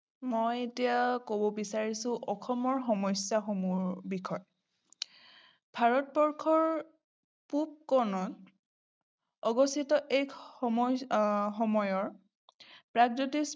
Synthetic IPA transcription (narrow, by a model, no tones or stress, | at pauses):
mɔjetijakobobisaɹisʊ̃ʔɔxʰɔmɔɹxɔmɔjsaxɔmuɹbikʰɔj | bʱaɹɔt̚bɔɹkʰɔɹ | pup̚kɔnɔn | ɔɡɔsitɔʔe | xɔmɔjɔɹ | pɹaɡd͡ʒotis